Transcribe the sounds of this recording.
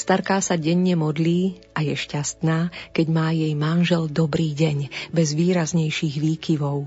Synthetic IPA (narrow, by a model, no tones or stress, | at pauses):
st̪aɾkaːsaɟɛɲːɛmɔd̪liː | ʔajɛʃcast̪naːkɛɟmaːjɛjmanʒɛld̪ɔbɾiːɟɛɲbɛzʋiːɾazɲɛjʃiːɣʋiːkiʋɔʊ